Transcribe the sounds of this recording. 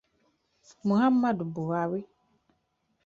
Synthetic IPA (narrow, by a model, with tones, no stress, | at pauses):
mũ˨ɦa˦mː˦a˦dʊ˨bʊ˨wa˨we˦